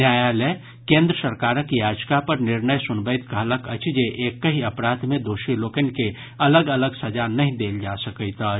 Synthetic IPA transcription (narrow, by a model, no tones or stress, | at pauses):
njajale | kẽnd̪ɾəsəɾkaːɾəkjad͡ʒkapəɾnɪɾnəjsʊnbəjt̪kəɦləkət͡ʃʰd͡ʒeʔekːəɦiəpɾat̪mẽd̪oːʃilokənke | ələɡələɡsəd͡ʒanəɦĩd̪eːld͡ʒasəkət̪ə